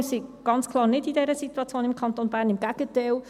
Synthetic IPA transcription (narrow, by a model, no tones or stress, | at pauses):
siɡ̥ɑnt͡skʰlˠɑːɾnɪdidɛɾəsituɑt͡sjoːnɪmkʰɑntonbæːɾnɪmɡæɡ̥ətɛl